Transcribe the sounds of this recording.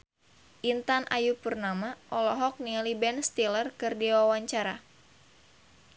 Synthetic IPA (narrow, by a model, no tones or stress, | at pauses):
ʔint̪anʔa̰jupərnamaʔɔlɔɦɔk̚nialibɛnst̪ilərkɨrdiwawaɲt͡ʃaɾa